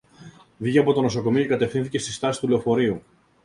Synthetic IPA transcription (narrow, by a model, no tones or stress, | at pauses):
viceɐpo̞t̪o̞no̞so̞ko̞miocekɐt̪e̞fθinθice̞st̪i̥st̪ɐsist̪ule̞o̞fo̞ɾiu